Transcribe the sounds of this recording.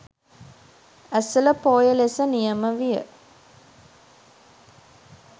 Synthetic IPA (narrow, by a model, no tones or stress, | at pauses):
æsələpoːjəlesənijəməʋijə̰